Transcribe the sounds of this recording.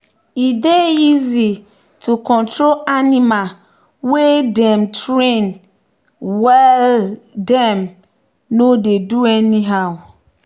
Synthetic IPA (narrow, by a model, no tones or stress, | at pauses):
ideizi | tʰukɔ̃ntɾolanima | wedɛ̃mtɹẽn | wɛldɛ̃m | nodeduɛniɦaʊ